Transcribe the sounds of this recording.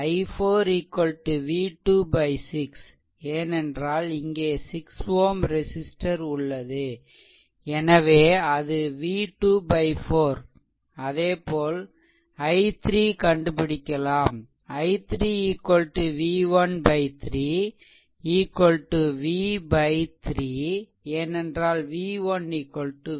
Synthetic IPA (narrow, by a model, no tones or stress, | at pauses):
ɐɪfoːɾiːkːɔlʈɯʋiːʈuːbɐɪsɪks | eːnɛndraːlɪŋɡeːsɪksʋoːmɾɛsɪsʈɐɾʊɭːɐðɯ | ɛnɐʋeːɐðɯʋiːʈuːbɐɪfoːɾ | ɐðeːpoːl | ɐɪt̪ɾiːkɐɳɖɯpɪɽɪkʲːɐlaːm | ɐɪt̪ɾiiːkːɔlʈːɯʋiːʋɐnbɐɪt̪ɪɾiː | iːkːɔlʈːɯʋiːbɐɪt̪ɾiː | eːnɛndraːlʋiːʋɐnːiːkːɔlʈːɯ